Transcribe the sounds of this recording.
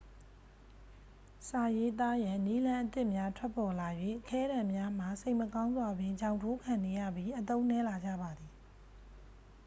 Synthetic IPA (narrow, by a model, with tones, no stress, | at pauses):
sa˨je˦t̪̬a˦jã˨ni˦lã˦ʔət̪ɪ˦ʔmja˦tʰwɛ˦pːɔ˨la˨jwḛ˦˨ʔəkʰɛ˦ɾã˨mja˦m̥a˨se˦ɪ˨ʔməkã˦ʊ̃nzwa˨bɪ̃˨t͡ɕã˨ʊ̃tʰo˦kʰã˨ne˨jä̰˦˨bji˦ʔət̪õ˦ʊ̃nɛ˦la˨d͡ʑä̰˦˨ba˨d̪i˨